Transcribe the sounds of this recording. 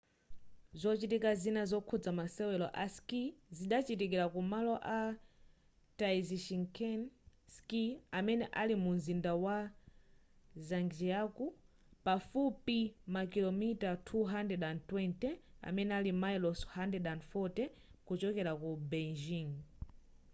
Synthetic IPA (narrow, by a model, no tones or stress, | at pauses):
zɔt͡ʃitikazinazɔkʰud͡zamasɛwɛlɔ̰ʔaskiziɗat͡ʃitik̬iɾakumalɔʔa | taiziʃiŋkʰɛnskiamɛnɛʔalimunzindawa | zaŋɡd͡ʒiaku | pafupimakilɔmitatʰuɦandɛdantwɛntɛa̰mɛnɛalimajlɔshandɛdanfɔtɛ | kut͡ʃɔkɛɾakubɛnd͡ʒiŋ